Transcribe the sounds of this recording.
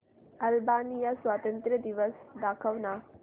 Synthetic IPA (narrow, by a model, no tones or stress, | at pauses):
ɐlbaːnijɐswaːt̪ɐnt̪ɾɐd̪iʋɐsd̪aːkʰɐʋna